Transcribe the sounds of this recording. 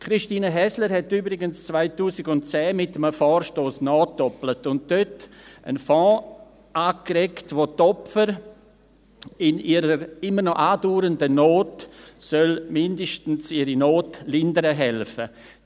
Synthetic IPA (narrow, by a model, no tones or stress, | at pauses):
kɾɪʃtiːnəɦɛsləɾhɛtyːbɾɪɡənst͡sv̥aɪtuːsɪɡʊnt̚t͡sɛːmɪtəməfɔːɾʃtoːsnɔːt̚d̥ɔplətʊnt̚d̥øtə̰nfɔ̃ː | ʔaːkrɛktʋotɔpfəɾ | ɪniːɾəɾɪməɾnɔʔaːduːɾəndənoːtsœlmɪndəʃtn̩siɾinoːtlɪndəɾəɦɛlfə